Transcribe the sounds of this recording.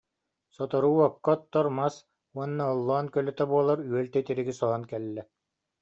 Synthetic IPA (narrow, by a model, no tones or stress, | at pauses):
sɔt̪ɔɾuːɔkːɔt̪ːɔɾmas | uɔnːaɔlˠːɔːnkœlœt̪ɛbuɔlˠaɾyœlt̪ɛjt̪iɾiɡisɔɦɔnkɛlːɛ